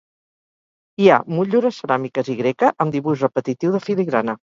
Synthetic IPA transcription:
ia̰muʎuɾəsəɾamikəziɣɾekəʔəmd̪iβuʒrəpət̪it̪iwðəfiliɣɾanə

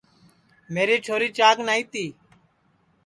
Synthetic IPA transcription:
meːɾiːt͡ʃʰoːɾiːt͡ʃaːknaːiːt̪iː

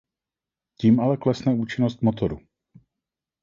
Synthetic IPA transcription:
ciːmʔalɛklɛsnɛuːt͡ʃɪnost̪mot̪oɾu

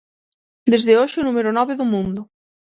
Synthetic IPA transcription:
d̪ezðeoʃɪunumeɾonɔβeðʊmũnd̪ʊ

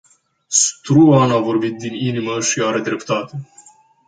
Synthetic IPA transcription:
st̪ɾuanavo̞rbit̪̚d̪ininiməʃiaɾe̞d̪ɾe̞pt̪at̪e

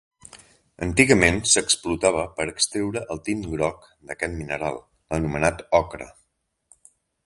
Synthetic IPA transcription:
ə̰nt̪iɣəmensəksplut̪aβ̞əpəɾəkst̪ɾewɾəʔəlˠt̪imɡɾɔk | d̪əkɛt̪minəɾalˠ | ənumənat̪ɔkɾə̰

